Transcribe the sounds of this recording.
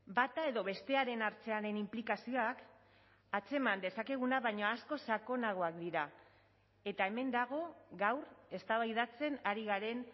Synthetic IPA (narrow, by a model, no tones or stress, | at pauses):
bat̪ae̞ðo̞βe̞st̪e̞aɾe̞naɾt͡se̞aɾe̞nimplikasio̞ak | at͡se̞mand̪e̞sake̞ɣ̞unaβajɲoasko̞sako̞naɣ̞o̞akd̪iɾa | e̞t̪ae̞me̞nd̪aɣ̞o̞ɣawre̞st̪aβajðat͡se̞naɾiɣaɾe̞n